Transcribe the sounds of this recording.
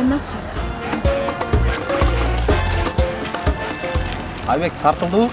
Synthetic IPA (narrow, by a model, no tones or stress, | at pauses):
masu | ajβek̚t̪ʰɑɾt̪əlˠd̪uː